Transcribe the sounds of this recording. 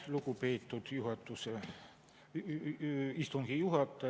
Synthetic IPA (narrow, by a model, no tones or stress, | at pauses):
lukupeːt̪ːud̪̥juɦɑt̪ːˑuse | ist̪uŋɡ̥ijuɦɑt̪ːˑɑ